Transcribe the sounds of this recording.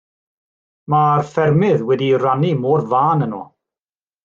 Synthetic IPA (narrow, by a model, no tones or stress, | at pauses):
marfɛrmɪðwɛdiranimɔːrvaːnənɔ̰ː